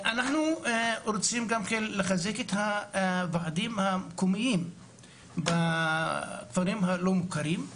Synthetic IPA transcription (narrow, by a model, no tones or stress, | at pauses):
ʔanaħnuɾot͡simɡamkenleχazeket̪havaʕad̪imhakomijim | ba | kvaɾimhalomukaɾim